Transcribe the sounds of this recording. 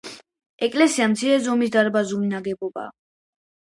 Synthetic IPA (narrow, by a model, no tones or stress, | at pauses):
ɛkʼlɛsiamt̪sʰiɾɛzɔmis̬d̪aɾbazulinaɡɛbɔba̰ː